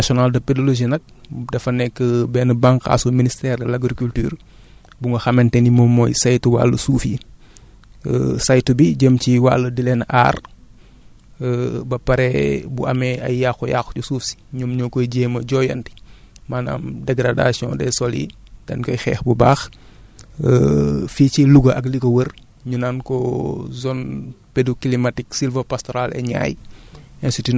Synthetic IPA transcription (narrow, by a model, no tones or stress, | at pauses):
nasɔnaldɐpedoloʒinɐk̚ | dɐfɐnɛkːəbɛnəbaŋka̰suministɛːrdɛlaɡɾikultyːr | buŋɡɐxɐmɛntɛnimɔmːɔjsajtuwa̰ːlːəsuːfji | sajtubiɟəmciwalːədilɛna̰ːr | bɐpɐɾɛbuʔɐmɛɐ̰jjaxuja̰xcusuːfsi̥ɲumɲɔkɔjɟeːmɐɟɔjɐnti̥ | maːna̰ːmdɛɡɾada̰sjɔ̰̃ːdɛ̰sɔlḭdɐnkɐjxɛ̰ːxbubaːx | fiːciluɡɐʔɐk̬likɐwər | ɲunaːnkɔzɔnpedukilimatiksilvopastɔɾalɛ̰ɲa̰ːjɛnsiti